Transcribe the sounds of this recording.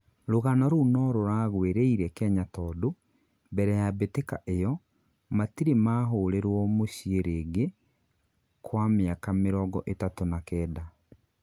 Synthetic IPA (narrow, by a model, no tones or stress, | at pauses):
ɾoɣanɔɾonɔɾoɾaːɣweɾeiɾɛkɛɲatɔːdo | bɛɾɛjabetekaʔejɔ | matiɾemaːɦoːɾeɾwɔmoɕieɾeːɡe | kwameakameɾɔɡɔʔetatonakɛːda